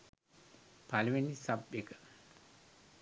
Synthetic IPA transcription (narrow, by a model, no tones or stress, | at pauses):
paluʋenisabjekə̥